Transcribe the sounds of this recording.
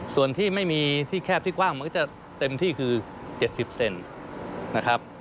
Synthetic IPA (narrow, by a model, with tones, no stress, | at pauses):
su˨˩ənt̪ʰiː˥˩ma˥˩jmiː˧t̪ʰiː˥˩kʰɛː˥˩p̚t̪ʰiː˥˩kwaː˥˩ŋma˧kt͡ɕa˨˩ | t̪e˧mt̪ʰiː˥˩kʰɯː˧ | t͡ɕe˨˩t̪̚si˨˩p̚se˧n | na˦˥kʰa˦˥p̚